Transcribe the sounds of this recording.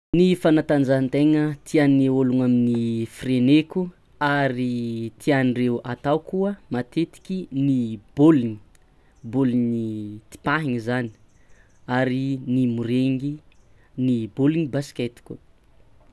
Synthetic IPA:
nifanat̪and͡ʒant̪eŋət̪ʰianioluŋaminifrenekʲu | aɾit̪ʰianirewat̪awkuəmat̪et̪i̥kʲinib̥oliɲi̥ | boliɲit̪i̥paɦiŋizani̥ | aɾinimuɾeŋɡi | niboliŋibasi̥kʲet̪i̥kʲṵ

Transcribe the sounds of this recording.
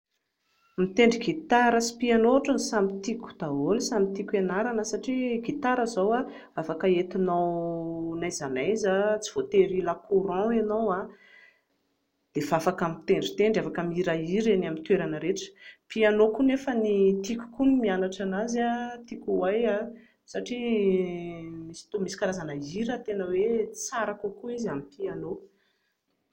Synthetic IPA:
mit̪eɳɖ͡ʐiɡit̪aɾəsi̥pianoʈ͡ʂanisamit̪ikʲu̥d̪̥aolsamit̪ikʲenaɾanəsaʈ͡ʂiɡit̪aɾəzawa | afakəet̪inawnajzanajzat͡siv̥ot̪eɾilakʰuɾɑ̃enowa | d̪̥evafakamit̪eɳɖ͡ʐi̥t̪eɳɖ͡ʐafakamiɾaiɾenamint̪weɾanəɾeʈ͡ʂə̥pianokunefənit̪ikʲu̥kunimianaʈ͡ʂanazat̪ikʲuwaja | saʈ͡ʂi | misi̥t̪omisi̥kaɾazanaiɾət̪enəwet͡saɾakukuizamipiano

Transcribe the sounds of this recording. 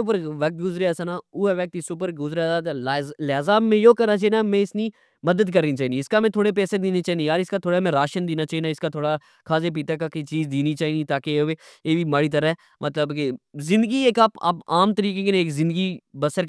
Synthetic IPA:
pəɾʋɐk̚t̪̚ɡʊzɾeasaːnaːuːɛʋɛk̚t̪isʊpəɾɡʊzɾsaːd̪laːzaːbmẽjoːkɐɾnat͡ʃaːɦiːnamɛ̃ɪsni | mɐd̪əd̪kəɾnit͡ʃaːɦiːd̪iɪskamɛ̃t̪ʰoːɽep̬ɛːsed̪iːnet͡ʃaːind̪ijaːɾɪskat̪ʰoːɽamɛ̃ɾaːʃənd̪iːnaːt͡ʃaːɦinaɪskat̪ʰoːɽa | kʰaːzep̬iːt̪akakeit͡ʃiːzd̪iːnit͡ʃaːinit̪aːkeeeːʋiːmaːɽiːt̪̬ɐɾaɦɛː | mʔɐt̪ləbkezɪ̃nd̪əɡieːkaːpa̰ːpaːmt̪əɾiːkekenẽeːkzɪ̃nd̪əɡibɐsəɾ

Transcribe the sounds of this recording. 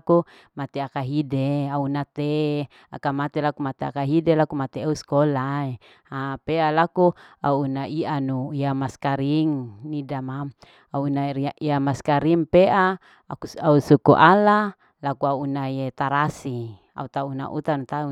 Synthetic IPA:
ku | mat̪eakaɦideaunat̪e | a̰kamat̪elakumat̪ea̰kaɦidelakumat̪eauskolae | apealakua̰uːnaianuiamaskaɾiŋnidamam | auunaiamaskaɾiŋpeʔa | uausukṵʔala | lakuauunajet̪aɾasi | a̰ut̪auna̰ʔṵt̪anut̪au

